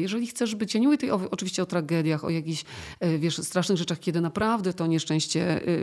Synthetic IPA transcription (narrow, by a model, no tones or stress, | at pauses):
jɛʐɛlʲixt̪sɛʐbɘt͡ɕɛɲiwət̪ɛjɔɔt͡ʂɨviɕt͡ɕɛɔt̪ɾaɡɛd̪ʲjaxɔ̰jakʲiɕvʲjɛʂst̪ɾaʂnɘɣʐɛt͡ʂaxkʲɛd̪ɘnapɾavd̪ɛt̪ɔɲɛʂt͡ʂɛ̃ɕt͡ɕɛ